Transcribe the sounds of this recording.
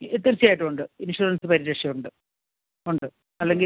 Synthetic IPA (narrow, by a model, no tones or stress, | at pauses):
et̪ːirit͡ɕːijaːjiʈːɨuɳɖɨinʂuːɾɐnsɨpɐɾiɾeʂjɐuɳɖɨ | uɳɖɨ | ɐlːe̞ŋɡi